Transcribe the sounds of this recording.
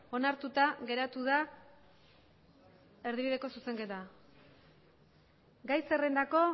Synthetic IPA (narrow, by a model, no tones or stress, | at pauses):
o̞naɾt̪ut̪aɣe̞ɾat̪uða | e̞ɾðiβið̞e̞ko̞suse̞ŋke̞t̪a | ɡajse̞re̞nd̪ako̞